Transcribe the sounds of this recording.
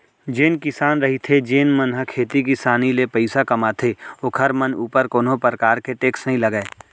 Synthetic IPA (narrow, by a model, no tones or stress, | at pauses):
d͡ʒeːnkɪsaːnɾɐɦit̪ʰed͡ʒeːnmənɦəkʰeːt̪ik̬ɪsaːnilepəɪsakɐmat̪ʰeoːkʰɐɾmənuːpəɾkoːnɦõpɾkaːɾkeʈeːksnɐɦĩlɐɡeː